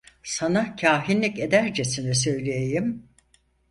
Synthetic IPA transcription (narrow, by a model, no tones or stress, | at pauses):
sanacʰaːɦinlʲice̞d̪æɾd͡ʒesinɛs̬ø̞jlʲejejim